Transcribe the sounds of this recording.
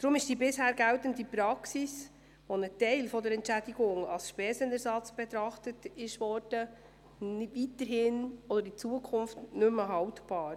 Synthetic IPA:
d̥̪ɾʊmɪʃd̥iːbɪshæːɾɡæwtəndipɾɑksis | ʋonətɛɪlfɔdəɾɛntt͡ʃæd̥iɡʊŋɑ̰lsʃpɛːsənɛɾsɑt͡sb̥ɛt̪ɾɑχtətɪʃʋɔɾd̥ə | vitəɾɦɪnɔd̥əɾit͡suəkʰʊnftnʏməɦɑwtb̥ɑːɾ

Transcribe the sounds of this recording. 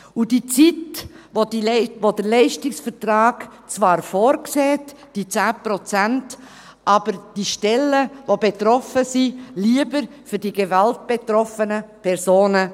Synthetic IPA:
ud̥it͡sit | vodivodəɾlɛɪʃtɪksfəɾtɾɑːɡ̥t͡svɑːɾfoːɾkseːt | d̥it͡sæːpɾɔt͡sænt | ʔɑːb̥əɾd̥iʃtɛlːəvobetɾɔfəsiliəbəɾ | fʏɾd̥iɡevalt̚b̥etɾɔfənəpʰɛɾzoːnə

